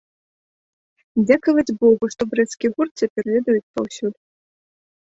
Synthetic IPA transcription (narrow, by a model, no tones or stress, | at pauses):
d͡zʲakɐvɐd͡zʲbɔɣuʂt̪ɔbɾɛt̪skʲiɣurt̪t͡sʲɐpʲɛrvʲɛd̪ɐjut͡sʲpawsʲulʲʊ